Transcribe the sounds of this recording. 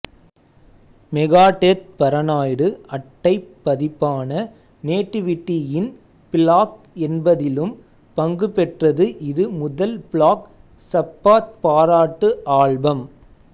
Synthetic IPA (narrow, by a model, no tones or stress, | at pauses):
mɛɣaːʈet̪̚pɐɾɐnaːjɽɯɐʈːɐɪpːɐðɪpːaːnɐ | neːʈːɪʋɪʈːijɪn | pɪlaːk̚ | ɛnbɐðɪlɯm | pɐŋɡɯpɛʈrɐðɯʔɪðɯmʊðɐlpɪɭaːk | sɐpːaːt̪̚paːɾaːʈːɯʔaːɭbɐm